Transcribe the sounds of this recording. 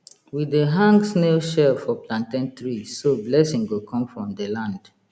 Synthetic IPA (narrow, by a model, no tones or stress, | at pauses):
wideɦãŋɡsneʃɛlfɔplãntɛ̃ntɹisoblɛsĩŋɡokʰɔ̃mfɹɔ̃mdəlãnd̥